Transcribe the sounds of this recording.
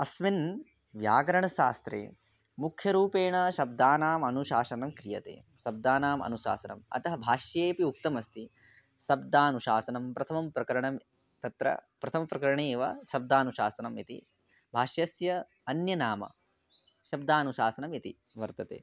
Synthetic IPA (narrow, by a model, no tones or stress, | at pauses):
ɐsmin | ʋjaːɡɐɾɐɳɐʃaːst̪ɾḛː | mukʰjɐɾuːpeːɳɐʃɐb̚d̪aːnaːmɐnuʃaːsɐnɐmkɾijɐt̪ḛː | sɐb̚d̪aːnaːmɐ̰nuʃa̰ːsɐnɐ̰mɐ̰t̪ɐɦɐbʱaːʃjeːpiuk̚t̪ɐmɐst̪i | sɐb̚d̪aːnuʃaːsɐnɐmpɾɐt̪ʰɐmɐmpɾɐkɐɾɐɳɐm | t̪ɐt̪ɾɐ̰pɾɐt̪ʰɐmɐpɾɐkɐɾɐɳeːʋɐ̰sɐb̚d̪aːnuʃaːsɐnɐmit̪ḭ | bʱaːʃjɐsjɐ | ɐnjɐnaːmɐ̰ | ʃɐb̚d̪aːnuʃaːsɐnɐmit̪ḭ | ʋɐɾt̪ɐt̪ḛː